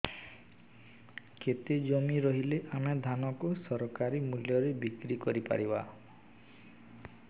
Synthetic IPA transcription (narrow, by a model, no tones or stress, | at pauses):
ket̪ed͡ʒɔmiɾɔɦileʔamed̪ʱanɔkusɔɾɔkaɾimuljɔɾebikɾikɔɾipa̰ɾiba